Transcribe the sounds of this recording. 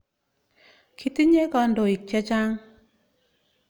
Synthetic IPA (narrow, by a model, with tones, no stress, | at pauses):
kʰi˦ti˦ɲe˦kɔ˧ndo˨i˨k̚t͡ʃɛ˦t͡ʃa˦ŋ